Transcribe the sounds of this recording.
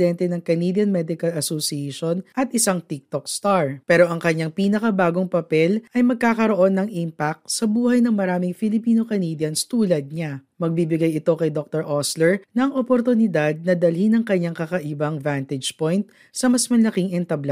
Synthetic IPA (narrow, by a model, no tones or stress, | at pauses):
d̪ɛnt̪ɛnɐŋkɐnid̪jɐnmɛd̪ɪkɐlɐsosiɛʃonʔɐt̪ʔɪsaŋt̪ik̚t̪ok̚st̪aɹpɛːɾo̞ʔɐŋkɐɲaŋpiːnɐkɐbaːɡo̞ŋpɐpɛlʔɐjmɐɡ̚kaːkɐɾo̞ʔo̞nːɐŋʔimpak̚t̪sɐbuːhɐjnɐŋmɐɾaːmɪŋfɪlɪpiːnokɐnid̪jɐnst̪uːlɐd̪̚ɲa | mɐɡ̚bibɪɡajɪt̪o̞kɐjd̪ok̚t̪oɹʔoslɛɹnɐŋʔopoɾt̪ʊnɪd̪ad̪̚nɐd̪ɐlhinɐŋkɐɲaŋkɐkɐʔɪbɐŋvant̪ɛd͡ʒpojnt̪ | sɐmɐsmɐlɐkɪŋʔɛnt̪ɐbla